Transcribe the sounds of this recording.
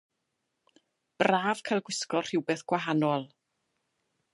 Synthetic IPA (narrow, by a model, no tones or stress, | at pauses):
b̥raːv̥kʰajlˠɡwɪskɔr̥ɪwbeːθɡ̥waɦanɔlˠ